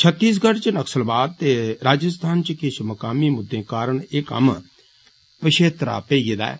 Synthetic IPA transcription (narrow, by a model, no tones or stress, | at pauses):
t͡ʃʰət̪ːiːs̬ɡəɽt͡ʃnəksəlbaːd̪̚t̪eːɾaːd͡ʒəst̪ʰaːnt͡ʃəkɪʃməkaːmiːmʊd̪ːẽːkaːɾəɳɪkə̰m | pəʃʰeːt̪ɾa̰ːpeːid̪a̰ːɛ̰ː